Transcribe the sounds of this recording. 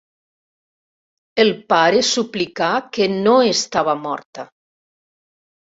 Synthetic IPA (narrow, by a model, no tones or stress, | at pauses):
elˠpaɾesuplikakenoest̪aβamɔ̰ɾt̪a